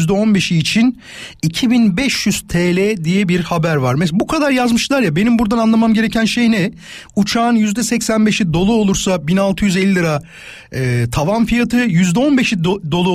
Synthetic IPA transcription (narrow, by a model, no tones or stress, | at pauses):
zd̪ɛo̞nbe̞ʃiːt͡ʃʰin | icʰibinbɛʃjyz̥t̪ʰeːlʲɛd̪ijɛbiɾhabæɾvaɾmɛs̬bukʰad̪aɾjazmɯʃlˠaɾjabe̞nimbuɾd̪ananlˠamamɟe̞ɾecʰænʃe̞jnɛ | ut͡ʃʰaːnjyzd̪ɛsɛcsænbe̞ʃid̪o̞lˠuo̞lˠuɾsabinalˠt̪ʰɯjyzelʲːilɯɾa | t̪ʰavamfijat̪ʰɯjyzd̪ɛo̞nbe̞ʃid̪o̞lˠu